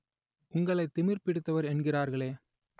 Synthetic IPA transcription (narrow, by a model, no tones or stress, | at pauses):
ʊŋɡɐɭɐɪt̪ːɪmɪɾpɪɽɯt̪ːɐʋɐɾɛɳɡɪraːɾɣɐɭeː